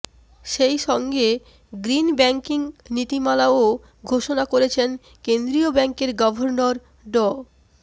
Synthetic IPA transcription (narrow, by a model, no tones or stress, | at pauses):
ʃejʃɔŋɡe | ɡɾinbɛŋkiŋnit̪imalao | ɡʱoʃonakoɾet͡ɕʰen | kend̪ɾiobɛŋkeɾɡɔbʱoɾnoɾ | ɖɔ